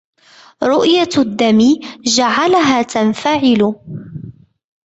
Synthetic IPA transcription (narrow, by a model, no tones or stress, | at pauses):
ɾˤʊʔjad̪ːamiːd͡ʒaʕalaɦaːt̪anfaʕɪlʊ